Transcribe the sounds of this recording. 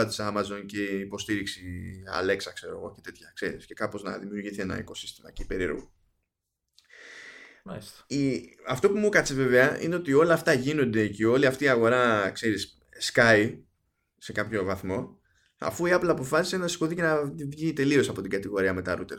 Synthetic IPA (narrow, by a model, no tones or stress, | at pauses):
ɐt̪i̥sɐmɐzo̞nce̞ipo̞st̪iɾiksiɐ̰le̞ksɐkse̞ɾo̞̰ɣo̞̰cet̪et̪çɐkse̞ɾisce̞kɐpoznɐ̰ðimijuɾʝiθie̞nɐ̰iko̞si̥st̪imɐ̰ceipeɾiɾɣo | siɐft̪o̞pumukɐt͡seve̞ve̞ɐḭne̞ot̪io̞lɐːft̪ɐʝino̞nd̪e̞ceo̞liɐft̪iːɐɣo̞ɾɐkse̞ɾis | skɐi | se̞kɐpço̞vɐθmo̞ | ɐ̰fuiɐplɐːpo̞fɐsi̥senɐisko̞ðice̞nɐvʝit̪e̞lio̞sɐpo̞t̪iɡɐt̪iɣo̞ɾiɐme̞t̪ɐɾut̪e̞ɾ